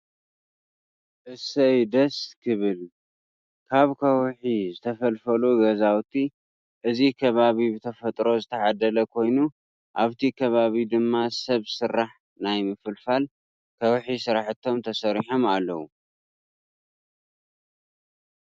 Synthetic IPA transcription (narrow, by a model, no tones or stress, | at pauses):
ʔɨsɐjd̪ɐskʰɨβɨl | kʰaβkʰɐwħizɨt̪ʰɐfɐlfɐluɡɐzawt̪ʰi | ʔɨzikʰɐβaβibɨt̪ʰɐfɐt̪ʼɾo̞zɨt̪ʰɐʕad̪ɐlɐkʰo̞jnu | ʔaβt̪ʰikʰɐβaβid̪ɨmːasɐβsɨrːaħ | najmɨfɨlfal | kʰɐwħisɨɾaħɨt̪ʰːo̞mt̪ʰɐsɐɾiħomalːɐwu